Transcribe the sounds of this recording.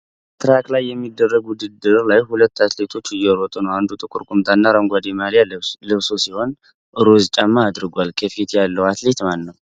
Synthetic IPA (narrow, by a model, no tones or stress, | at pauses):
t̪ʰɨɾaklajːɛmːid̪ːərːəɡʊd̪ɨd̪ɨɾlajhulət̪ːat̪le̞t̪ʰo̞t͡ʃːɨjːɛɾɔt̪ʼunəwand̪ut̪ʼɨkʷʼuɾkʷʼumt̪ʰanːaɾəŋɡʷad̪imalijalɨβsosiho̞n | ʔɨɾozt͡ʃʼamːaːd̪ɾɨɡʷalkʰəfit̪ʰjalːəwat̪le̞t̪manːəw